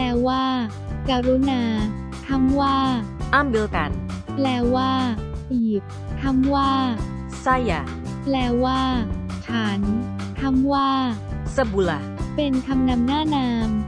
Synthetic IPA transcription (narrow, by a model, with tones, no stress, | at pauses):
ɛː˧waː˥˩ | kaː˧ɾu˦˥naː˧ | k̪ʰa˥˩mwaː˥˩ʔa˥˨mbi˧˦ka̰˨˧˦nplɛː˧waː˥˩piː˨˩p̚ | k̪ʰa˥˩˨mwaː˥˩ | sa˥˩ja˨˧ | plɛː˧waː˥˩t͡ɕʰaː˩˦n | k̪ʰa˥˩˨mwaː˥˩sa˧˩bu˧la˧pe˧nkʰa˧mna˧mnaː˥˩naː˧m